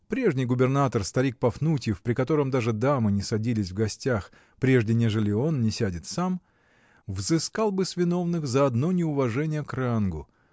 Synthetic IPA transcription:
pɾʲe̞ʐnʲɪjɡʊbʲɪrnat̪ərst̪ɐɾʲik̚pɐfnutʲɪfpɾʲɪkɐt̪o̞ɾəmd̪aʐɨd̪amɨnʲɪsɐdʲilʲɪsʲvɡɐsʲtʲax | pɾʲe̞ʐdʲɪnʲe̞ʐɨlʲɪo̞nnʲɪsʲædʲɪt̪sam | vzɨskalˠbɨsvʲɪno̞vnɨxzɐɐd̪no̞nʲɪʊvɐʐɛnʲɪjəkɾanɡʊ

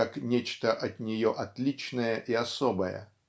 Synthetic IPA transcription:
aknʲet͡ɕt̪əʔɐt̪nʲɪjoʔɐt̪lʲit͡ɕnəjəʔiɐsobəjə̰

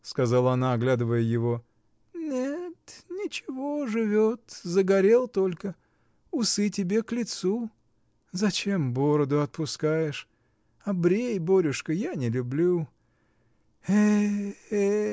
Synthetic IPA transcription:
skɐzalˠəɐnaːɡlʲad̪ɨvəjəjɪvo̞ | nʲet̪nʲɪt͡ɕɪvo̞ʐɨvʲot̪zəɡɐɾʲe̞lˠt̪o̞lʲkə | ʊsɨtʲɪbʲe̞klʲɪt̪su | zɐt͡ɕe̞mbo̞ɾəd̪ʊɐt̪̚pʊskajɪʂ | ɐbɾʲejbo̞ɾʲʊʂkəjanʲɪlʲʊblʲu | e

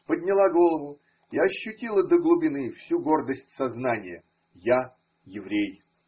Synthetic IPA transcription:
pədʲnʲɪlˠaɡo̞lˠəvʊ | ɪɐɕːʉtʲilˠəd̪əɡlˠʊbʲɪnɨfsʲuɡo̞rd̪əsʲtʲsɐznanʲɪjə | ja | jɪvɾʲej

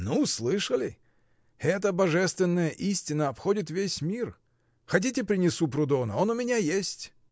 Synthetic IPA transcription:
nuslˠɨʂəlʲɪ | ɛt̪əbɐʐɛst̪vʲɪnːəjəʔisʲtʲɪnːəɐpxo̞dʲɪt̪vʲesʲmʲir | xɐt̬ʲitʲɪpɾʲɪnʲɪsupɾʊd̪onə̰o̞nʊmʲɪnʲajesʲtʲ

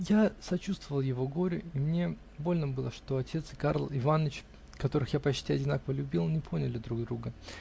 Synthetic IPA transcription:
jasɐt͡ɕust̪vəvəlˠjɪvo̞ɡo̞ɾʲʊimnʲe̞ | bo̞lʲnəbɨlˠəʂt̪o̞ɐtʲe̞t̪sɨ̥karlˠɪvant͡ɕ | kɐt̪o̞ɾɨxjapɐt͡ɕt̪ʲiɐdʲɪnakəvəlʲʉbʲilˠnʲɪpʰo̞nʲɪlʲɪd̪ɾuɡ̚d̪ɾuɡə

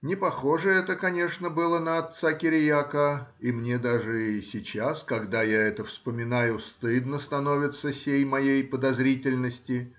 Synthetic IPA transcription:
nʲɪpɐxo̞ʐɨɛt̪əkɐnʲe̞ʂnəbɨlˠənəɐt̪sakʲɪɾʲɪjakəimnʲe̞d̪aʐɨɪsʲɪt͡ɕaskɐɡd̪ajaɛt̪əfspəmʲɪnajʊst̪ɨd̪nəst̪ɐno̞vʲɪt̪səsʲejmɐjejpəd̪ɐzɾʲitʲɪlʲnəsʲtʲɪ

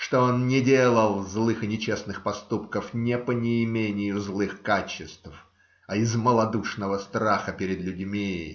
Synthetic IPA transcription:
ʂt̪o̞onnʲɪdʲelˠəlˠzlˠɨxɨnʲɪt͡ɕesnɨxpɐst̪upkəfnʲɪpənʲɪːmʲenʲɪjʊzlˠɨxkat͡ɕɪst̪f | ɐɪzməlˠɐd̪uʂnəvəst̪ɾaxəpʲɪɾʲɪd̪lʲʉdʲmʲi

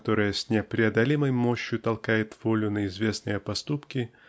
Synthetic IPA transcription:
t̪o̞ɾɨjəsʲnʲepɾʲɪɐd̪ɐlʲiməjmoɕːjʊt̪ɐlˠkajɪt̪v̥olʲʊnəɪzvʲe̞snɨjəpɐst̪upkʲɪ

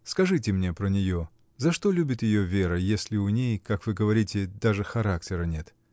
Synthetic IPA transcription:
skɐʐɨtʲɪmnʲe̞pɾənʲɪjo | zɐʂt̪olʲubʲɪt̪jɪjo̞vʲe̞ɾəjesʲlʲɪʊnʲejkakvɨɡəvɐɾʲitʲɪd̪aʐɨxɐɾak̚tʲɪɾənʲe̞t̪

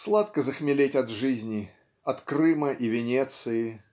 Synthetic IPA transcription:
slˠat̪kəzəxmʲɪlʲetʲɐd̪ʐɨzʲnʲɪ | ɐt̪krɨməʔivʲɪnʲet̪sɨɪ

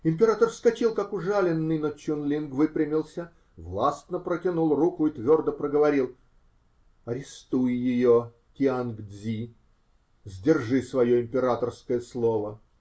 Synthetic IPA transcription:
ɪmʲpʲɪɾat̪ərfskɐt͡ɕilˠkakʊʐalʲɪnːɨjnət͡ɕʊnlʲinɡvɨpɾʲɪmʲɪlˠsʲə | vlˠast̪nəpɾətʲɪnulˠrukʊit̪vʲo̞rd̪əpɾəɡəvɐɾʲilˠ | ɐɾʲɪst̪ujjɪjo | kʲɪanɡzʲi | zʲdʲɪrʐɨsvɐjo̞ɪmʲpʲɪɾat̪ərskəjəslˠovə

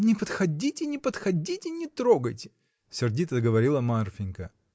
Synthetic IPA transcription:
nʲɪpət̪xɐdʲitʲɪnʲɪpət̪xɐdʲitʲɪnʲɪt̪ɾoɡəjtʲɪ̥ | sʲɪrdʲit̪ɐzɡəvɐɾʲilˠəmarfʲɪnʲkə

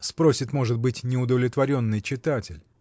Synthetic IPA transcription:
spɾo̞sʲɪt̪mo̞ʐɨt̪̚bɨtʲnʲɪʊd̪əvlʲɪt̪vɐɾʲo̞nːɨjt͡ɕɪt̪atʲɪlʲ

